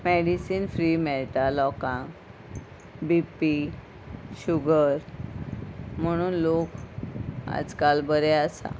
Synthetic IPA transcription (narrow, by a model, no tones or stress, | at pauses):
meɽisiːnfɾimɛlʈ̪alɔkã | bipi | ɕuɡəɾ | m̤əɽ̃uːnlok | a̰d͡zkalbəɾɛasa̰